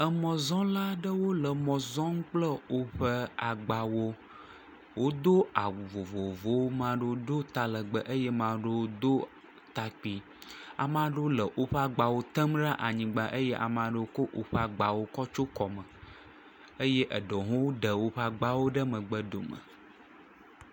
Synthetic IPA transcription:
ə˨mɔ̃˨zɔ̃˦la˦ɖə˦wo˦lə˨mɔ̃˨zɔ̃˦ŋ̩˦k͡plə˦wo˦ɸə˦a˨ɡ͡ba˨wo˦ | wo˦d̪o˦a˨vo˨vo˨vo˦wo˦mã˦ɖə˦wo˦d̪o˦t̪a˨lə˨ɡ͡bə˦ʔə˦jɛ˦mã˨ɖə˦wo˦d̪o˦ | t̪a˨k͡pi˨ | a̰˨mã˨ɖə˦wo˦lə˨ʔo˦ɸə˦a˨ɡ͡ba˨wo˦t̪ə˦mɖa˦ʔa˨ɲĩ˨ɡ͡ba˦ʔə˦jɛ˦ʔa̰˨m˨ã˨ɖə˦wo˦ko˦ʔo˨ɸə˦a˨ɡ͡ba˨wo˦kɔ˦t͡ʃo˦kɔ˨mə˨ | ə˦jɛ˦ʔə˨ɖo˨ɦõ˦wo˦ɖə˨wo˦ɸə˦a˨ɡ͡ba˦wo˦ɖə˦mə̃˨ɡ͡bə˦d̪o̰˨mə̰˨

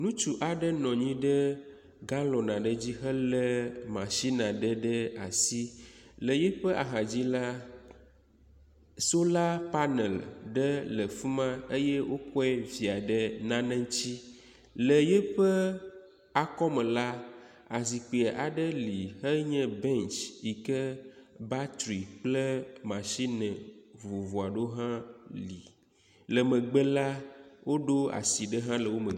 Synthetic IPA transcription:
nũ˦t͡ʃu˨ʔa˨ɖə˦nɔ̃˨ɲĩ˦ɖə˦ | ɡã˦lɔ˨nã˨ɖə˦d͡ʑi˦ɦə˦lə˦mã˨ʃi˦nã˨ɖə˦ɖə˦a˨si˦lə˨jɛ˦ɸə˦ʔa̰˨ɦã˨d͡ʑi˦la˦ | so˦la˦pa˦nɛ̰˨lɖə˦lə˨fu˦mã˦e˦jɛ˦wo˦kɔ˦ɛ˦vi˨a˨ɖə˦nã˦nɛ̃˦ŋ˦t͡ɕi˦ | lə˨jɛ˦ɸə˦ | a˨kɔ˦mɛ̃˨la˦ | a˨zi˨k͡pe˨e˨ʔa˨ɖə˦li˨hə˦ɲɛ̃˦bɛ˦nt͡ʃi˨kə˦ba˦t̪ɾi˨k͡plə˦mã˨ʃi˦nə̃˨vu˨vo˨a˨ɖo˦ɦã˦li˨ | lə˨mə̃˨ɡ͡bə˦la˦wo˦ɖo˦a̰˨si˨ɖə˦ɦã˦lə˨wo˦mə˨

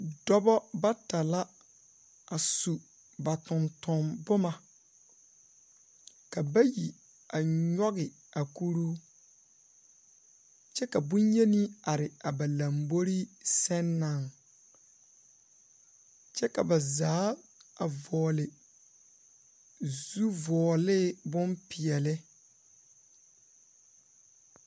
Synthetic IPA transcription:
dɔ˦bɔ˦ba˦ta˨la˦ | a˨su˨ | ba˨tʊ̃˨ntʊ˨mbʊ˦ma˨ | ka˨ba˦ji˨ | a˨ɲɔ˦ɣɪ˨ | a˨ku˦ɾu˦ | t͡ʃɛ˦ka˨bũ˦nje˦ni˦a˨ɾɪ˨a˨ba˨la˨mbo˦ɾi˦sɛ˦nːa˦˨ŋ | t͡ʃɛ˦ka˨ba˨zaː˨˦a˨vɔː˨lɪ˨ | zu˦vɔː˨lɪ˦˨bʊ˦mpi˨ɛ˨lɪ˦

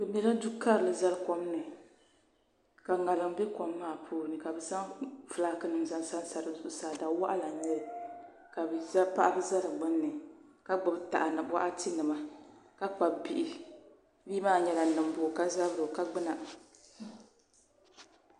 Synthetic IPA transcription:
bɨ˨mɛ˦ɾɨ˦du˦ka˦ɾɨ˨lɨ˨za˦lkɔ˦m˦nɨ˨ | ka˨ŋa˨lɨ˨mbɛ˦kɔ˨mːaː˦˨pʰuː˦˨nɨ˨ka˨bɨ˨za˦ŋfɨ˨la˨kɨ˦nɨ˨mza˦nsa˦nsa˨ɾɨ˨˦zʊ˦ʔʊ˦saː˨da˨˦wa˦ʔa̰˦la˨ɲɛ˦l | ka˨bɨ˨za˦pa˦ʔa˦bɨ˦za˦lɨ˨ɡ͡bɨ˦nː˦ɨ˨ | ka˦ɡ͡bɨ˨bta̰˨ʔa˨nɨ˨bwa̰˦ʔa˦ti˦nɨ˨ma˦ka˦k͡pa˨bbi˨ʔi˦ | biː˦maː˦˨ɲɛ˦la˨nɨ˨m˦bʊ˨ka˦za˦bɾɨ˨ka˦ɡ͡bɨ˦na˨

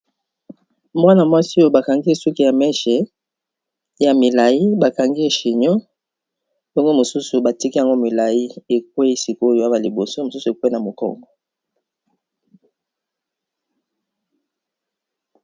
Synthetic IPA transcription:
mwa˦na˨mwa˦si˦o˦jo˦ba˨ka˨ŋɡi˦e˨su˦ki˦ja˨mɛ˦ʃɛ˨ | ja˨mi˨la˨ji˦ba˨ka˨ŋɡi˦e˨ʃi˨ɲɔ˦ | jo˦ŋɡo˦mo˨su˦su˨ba˨ti˦ki˦ja˨ŋɡo˦mi˨la˨ji˦e˨k̚we˦e˨si˨ko˦o˦jo˦ja˦ba˨li˨bo˨so˦mo˨su˦su˨e˨kwna˨mo˨kɔ̰˦ŋɡɔ˨

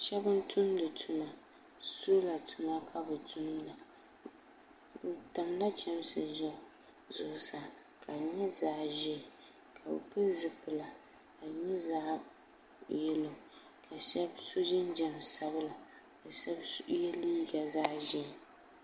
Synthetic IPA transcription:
ʃɛ˦bɨ˦n˦tʰʊ˦ndɨ˨tʰʊ˨ma˨ | so˦la˨tʰu˨ma˦kʰa˦bɨ˨tʰu˦nla˨ | bta˨mla˦t͡ʃɛ˦msɨ˨ʒɛ˦ | zʊ˨˦sa˨ | kʰa˨ɲɛ˦zaː˦ʒɛ˦˨ | kʰa˨bɨ̰˨pɨ˦zɨ˨pɨ˨la˨ | ka˨ɲɛ˦zaː˦ | jɛ˦lo˨ | kʰa˨ʃɛ˦bso˦d͡ʒɪ˦nd͡ʒɛ˨msa˦bɨ˦la˨ | ɨ˨sjɛ˦liː˦ɡa˨zaː˦ʒɛ˦˨

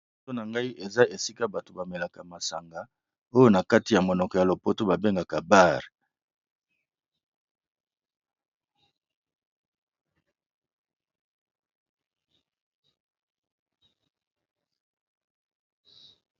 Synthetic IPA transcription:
o˦na˨ŋɡa˦i˦ʔe˨za˦e˨si˦ka˦ba˨to˨ba˨me˨la˨ka˨ma˨sa̰˨ŋɡa˦ | o˦jo˦na˨ka˦ti˨ja˨mo˨nɔ˨kɔ˨ja˨lo˨po˦to˦ba˨be˦ŋɡa˨ka˨ba˦ʁ

